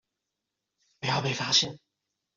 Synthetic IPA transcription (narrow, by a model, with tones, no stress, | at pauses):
pu˨˩jɑ˥˩pe˨˩fa˥ɕjɛ˥˩n